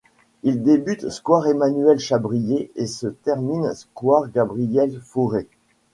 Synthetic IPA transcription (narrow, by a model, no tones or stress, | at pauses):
ild̪ebyt̪skwaʁemanyɛlʃabʁijeesət̪ɛʁminskwaʁɡabʁijɛlfuʁe